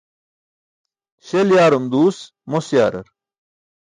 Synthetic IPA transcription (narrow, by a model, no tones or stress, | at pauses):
ɕeljaːɾumd̪uːs | mosja̰ːɾɐ̰ɾ